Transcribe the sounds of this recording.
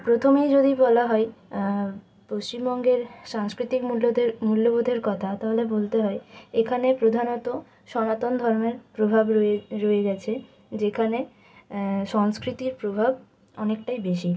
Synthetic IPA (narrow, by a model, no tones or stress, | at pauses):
pɾot̪ʰomejd͡ʑod̪ibɔlaɦɔe | post͡ɕimbɔŋɡeɾʃaŋskɾit̪ikmulomulːobod̪ʱeɾkɔt̪ʰat̪aɦolebolt̪eɦɔeekʰanepɾod̪ʱanot̪o | ʃɔnat̪ond̪ʱɔɾmeɾpɾobʱabeɾoed͡ʑat͡ɕʰe | d͡ʑekʰane | ʃɔŋskɾit̪iɾpɾobʱab | ɔnek̚ʈajbeʃi